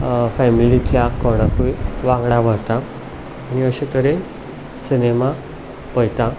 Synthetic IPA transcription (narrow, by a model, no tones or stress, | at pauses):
fɛmilitjakɔɽ̃akuiʋãŋɡɽaʋʱəɾt̪aː | ñiəɕet̪əɾe | sinema | pəjt̪ã